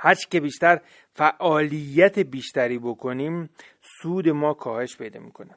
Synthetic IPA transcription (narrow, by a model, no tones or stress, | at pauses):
hæɾt͡ʃʰi̥ce̞biːʃt̪æɾ | fæʔɒːlijːæt̪ʰebiːʃt̪æɾiːbokʰo̞niːm | suːd̪e̞mɒːkʰɒːhe̞ʃpʰe̞jd̪ɒ̰ːmiːkʰo̞ne